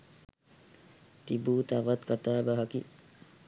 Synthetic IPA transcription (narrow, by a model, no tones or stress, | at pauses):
t̪ibuːt̪aʋɐt̪kɐt̪aːbaɦɐki